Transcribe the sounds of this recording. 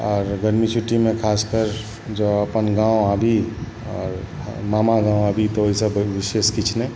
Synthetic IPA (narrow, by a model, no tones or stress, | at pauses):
ɔːɾɡəɾmit͡ʃʰuʈːimẽkʰaskəɾ | d͡ʒəəpənɡãũəbʱi | ɔːɾ | mamaɡãũəbʱit̪ɔoɦisəbʋiseskit͡ʃʰnɛ